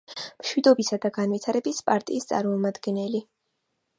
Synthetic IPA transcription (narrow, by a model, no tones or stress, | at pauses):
mʃwid̪ɔbisad̪aɡanvit̪ʰaɾɛbispʼaɾt̪ʼḭːst̪sʼa̰ɾmɔmad̪ɡɛnɛli